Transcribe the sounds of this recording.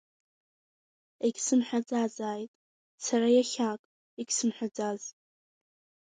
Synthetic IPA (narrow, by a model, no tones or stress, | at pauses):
eɡʲsɨmħʷᶣad͡zazaːjtʼ | saɾajaχʲakʼ | iɡʲsɨmħʷᶣad͡zaz